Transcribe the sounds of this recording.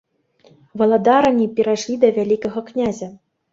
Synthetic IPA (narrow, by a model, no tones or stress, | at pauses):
vɐlˠad̪ɑɾɐnʲipʲeɾaʂlʲid̪ɐvʲælʲikɐɣɐknʲazʲa